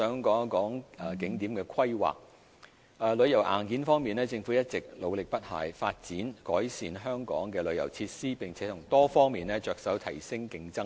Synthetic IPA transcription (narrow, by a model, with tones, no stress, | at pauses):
œː˨˥ŋkɔː˨˥ŋkɔː˨˥ŋɛ˨kɪ˨˥ŋt̪iː˨˥mkɛː˧kʰɐ˥jwa̰ː˨k̚ | ɛː˨˩lɵ˨˧ɥjɐ˨˩wʔa̰ː˨˩nkiː˨˥nfɔː˥ŋmiː˨˩nɛː˥t͡sɪ˧ŋfu˨˥jɐ˥t̚t͡sɪ˨k̚lo˨˧wlɪ˨k̚pɐ˥t̚ha̰ː˨˩jfaː˧t̚t͡siː˨˥nkɔː˨˥jsiː˨nɦœː˥ŋkɔ̰ː˨˥ŋkɛː˧lɵ˨˧ɥjɐ̰˨˩wt͡sʰiː˧t̚siː˥pɪ˨ŋt͡sʰɛː˨˥t̪ʰʊ˨˩ŋt̪ɔː˥fɔː˥ŋmiː˨nlɛː˥t͡ʃœː˨k̚sɐ˨˥wt̪ʰɐ˨˩jsɪ˥ŋkɪ˧ŋt͡sɐ˥ŋ